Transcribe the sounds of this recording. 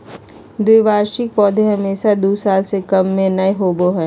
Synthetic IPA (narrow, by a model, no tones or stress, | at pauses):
d̪uːʋaːɾʃɪk̚pɔːd̪ʱeɦɐmeːʃad̪uːsaːlsekɐmːẽnɐeɦoːboɦɛː